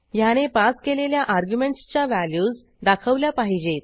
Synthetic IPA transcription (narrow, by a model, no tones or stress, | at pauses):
jañepaskeleljaʔaɾɡjumeɳʈst͡ɕjaʋæljuːd͡z | d̪akʰəʋljapaɦid͡ʑet̪